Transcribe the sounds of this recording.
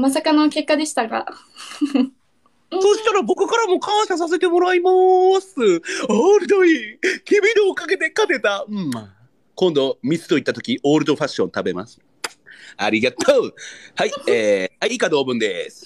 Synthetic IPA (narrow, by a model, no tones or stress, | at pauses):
mas̬akanoke̞kːad̪e̞ɕi̥t̪aɡa̰ | soɕi̥t̪aɾabo̞kɯ̟kaɾamo̞kʰãɰ̃ɕas̬as̬e̞t̪e̞mo̞ɾaimasɨoːɾɯ̟d̪o̞ikebʲiniokaɡe̞t̪e̞kat̪e̞t̪aɯ̟̃ | kõ̞nd̪omʲisɨ̥t̪o̞it̪ːat̪o̞kʲiʔoːɾɯ̟d̪o̞ɸaɕːõ̞nt̪abe̞ma̰sɨ̥ | a̰ɾʲiɡat̪ʰoːhaieːhaiikad̪o̞ːbɯ̟̃nd̪e̞sɨ̥